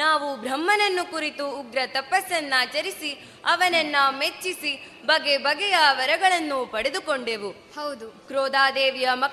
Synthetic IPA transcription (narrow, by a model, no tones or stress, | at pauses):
naːʋubɾɐmːɐnɐnːukuɾit̪uːɡɾɐt̪ɐpːɐsɐnːat͡ʃɐɾisi | ɐʋɐnɐnːɐmet͡ʃːisi | bɐɡebɐɡɛjɐʋɐɾɐɡɐɭɐnːupɐɽed̪ukoɳɖeːʋu | hɐwd̪ukɾoːd̪aːd̪eːʋjɐmɐ